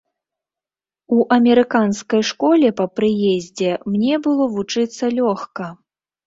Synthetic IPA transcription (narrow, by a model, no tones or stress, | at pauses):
uʔɐmʲɛɾɨkanskɐjʂkɔlʲɛpɐpɾɨjɛzʲd͡zʲɛmnʲɛbɨlˠɔvut͡ʂɨt̪sːɐlʲɔxkɐ